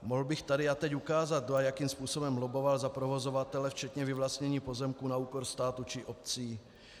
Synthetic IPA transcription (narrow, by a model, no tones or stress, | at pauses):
moɦlbɪxt̪adɪat̪ɛcukaːzat̪̚doajakimspuːso̞bɛmlobo̞valzapɾovo̞zovat̪ɛlɛft͡ʃɛt̪ɲɛvɪvlast̪ɲɛɲiːpo̞zɛmkuːnauːko̞ɾst̪aːt̪ut͡ʃɪʔop̚t͡siː